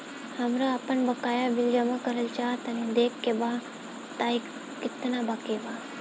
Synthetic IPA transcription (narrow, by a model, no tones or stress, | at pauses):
həmɾaapənbəkaːjabild͡ʒəmakəɾəlt͡ʃaːt̪əned̪eːkʰːeba | t̪aik | kɪt̪nabakeba